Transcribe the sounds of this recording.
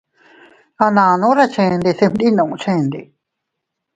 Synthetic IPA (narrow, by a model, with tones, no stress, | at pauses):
a˧nã˧nũ˦ɾa˦˧t͡ʃʰẽ˧nd̪e˧se˧m˦d̪i˦˧nã˧˨ũ˧t͡ʃʰẽ˧nd̪e˧˨